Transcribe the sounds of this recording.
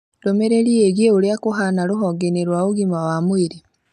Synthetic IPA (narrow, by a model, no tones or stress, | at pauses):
lomeɾelieɣjeuljakuɦanaluɦɔɡeneɾwauɣimawamwiɾi